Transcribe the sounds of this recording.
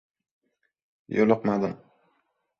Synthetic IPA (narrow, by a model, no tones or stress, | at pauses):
jolˠʊqmad̪ɪm